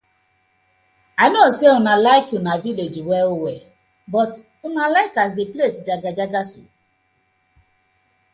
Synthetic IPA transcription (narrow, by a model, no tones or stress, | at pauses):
aɪnoseunalaɪkjunaviled͡ʒiwɛowɛ | bɔt | unalaɪkas̬deplesd͡ʒaɡad͡ʒaɡasṵ